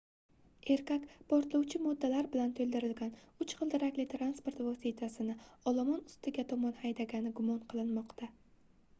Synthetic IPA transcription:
e̞ɾkʲakʲpʰoɾt̪lˠɒwt͡ʃʰɪmɒd̪ːalaɾbɪlant̪ʰɵlʲˠd̪ɪɾɪlɡʲanʊt͡ʃχɨlˠd̪ɪɾakʲlɪt̪ʰɾanspo̞ɾt̪vɒsit̪ʰasɪnɪɒlˠamɒnʊst̪ɪɡʲat̪ʰɒmɒnhajd̪aɡʲanɪɡʊmɒnqʰɨlˠɪnmɒqt̪ʰa

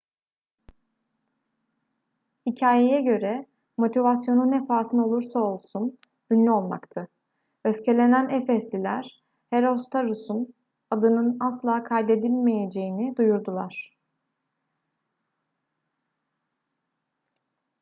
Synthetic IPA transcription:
hicʰaːjejɛɟø̞ɾɛ | mo̞t̪ʰivasjo̞nunefaːsɯnɯo̞lˠuɾsao̞lˠsun | d̪ynlʲyo̞lˠma̰kt̪ʰɯ | øfcʰe̞lʲe̞nænefɛslʲilʲæ̰ɾ̥ | heɾo̞st̪ʰaɾusun | ad̪ɯnɯnaslˠaːkʰajd̪e̞d̪ilʲme̞je̞d͡ʒe̞jinid̪ujuɾd̪ulˠa̰ɾ̥

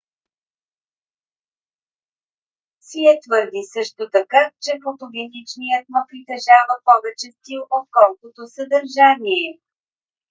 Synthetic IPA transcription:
siɛt̪vɤɾd̪isɤʃt̪ot̪ɐkat͡ʃɛpot̪oɡit̪it͡ʃnijət̪̚məpɾit̪ɛʒavəpɔvɛt͡ʃɛst̪ilˠot̪̚kɔlˠkot̪osəd̪əɾʒaniɛ

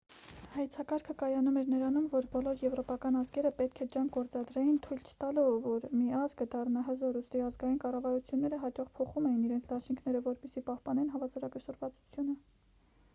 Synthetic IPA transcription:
hɑjt͡sʰɑkɑɾkʰəkɑjɑnumɛɾnəɾɑnumvɔɾbɔlɔɾjɛvɾɔpɑkɑnɑzɡɛɾəpɛt̪̚kʰɛd͡ʒɑŋɡɔɾt͡sɑd̪ɾɛjint̪ʰujlt͡ʃʰə̥t̪ɑlɔvvɔɾmiɑzɡəd̪ɑrnɑɦəzɔɾust̪iɑzɡɑjinkɑrɑvɑɾut͡sʰjunːɛɾəɦɑt͡ʃɑχpʰɔχumɛjiniɾɛnt͡sʰd̪ɑʃiŋkʰn̪ɛɾəvɔɾpɛsipɑhpɑnɛnɦɑvɑzɑɾɑkəʃərvɑt͡su̥t͡sʰjunə

